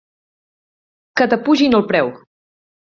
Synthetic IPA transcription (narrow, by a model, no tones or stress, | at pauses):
kət̪əpuʒinəlˠpɾɛw